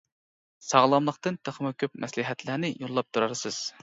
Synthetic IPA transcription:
sɑʁlˠɑmlˠəqt̪ɨnt̪ʰəχmɨkʲʰøp̚mʔɛslɪɦɛt̪lɪnɪjolˠːɑp̚t̪ʰuɾɑɾsɨz̥

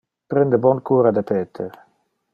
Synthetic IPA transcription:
pɾɛnd̪əbɔnkuːɾad̪epeːt̪ʰe

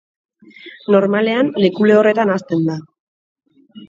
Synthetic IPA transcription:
no̞ɾmale̞anlekule̞o̞re̞t̪anast̪e̞nd̪a

